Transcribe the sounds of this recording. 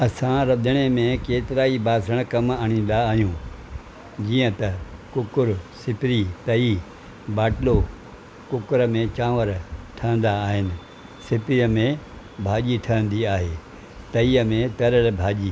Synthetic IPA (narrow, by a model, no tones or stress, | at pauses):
ɐsãɾɐd̪əɽ̃emẽkeːt̪ɪɾaːibaːsəɽ̃kɐmaːɽ̃ĩːn̆d̪aːɦijũː | d͡ʑiːə̃t̪ɐkʊkʊɾsɪpɪɾit̪ɐiː | baːʈɪlo | kʊkʊɾəmẽt͡ɕãːʋəɾʈʰɐ̃ə̃n̆d̪aːɦɪnɪ̆ | sɪpɾiəmẽ | bʱaːʄiʈʰəə̃n̆d̪iaːɦeː | t̪ɐiːəmẽt̪ɐɾəlbʱaːʄiː